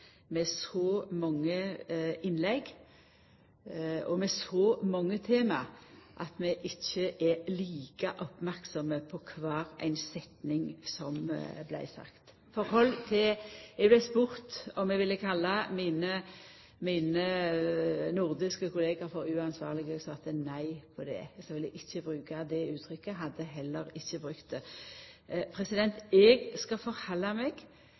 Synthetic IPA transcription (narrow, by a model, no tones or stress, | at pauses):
mɛsɔmɑŋːəɪnlɛɡ | ɔmɛsɔmɑŋːət̪ʰeːmɑʔɑt̪mɛʔɪçːəʔɛliːkəʔɔpmæʁksɔməpʰɔkʰʋɑːɾæ̰ɪnsɛt̪nɪŋsɔmblæ̰ɪsɑ̰kt̪ | fɔɾhɔlːt̪ʰɪɛɡblæɪspʊɾt̪ɔmɛɡʋɪlːəkʰɑlːɑmiːnə | miːnə | nʊʁd̪ɪskəkʰʊleːɡɑɾfɔɾʉːɑnsʋɑ̰ːʁlɪɡəsɑt̪ənæɪpʰɔd̪ɛ̰ɛɡskaʋɪlːəʔɪçːəbɾʉːkad̪ɛʉːt̪ʰɾʏkːəɦɑd̪ːəɦɛlːəɾɪçːəbɾʉkt̪̚d̪ɛ | pʰɾɛsɪd̪ɛnt̪ɛɡskɑfɔɾhɑlːɑmɛɡ̥